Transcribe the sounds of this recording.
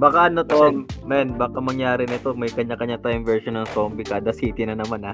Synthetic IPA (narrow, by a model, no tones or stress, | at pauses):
bakaɐnot̪oʔonmɛnbaːkɐmɐŋjaːɾɪnɪt̪o̞mɐjkɐɲːakɐɲaŋt̪ajmvɛɹʃonɐŋt̪oːmbɪkad̪ɐsiːt̪ɪnɐnɐmanɐ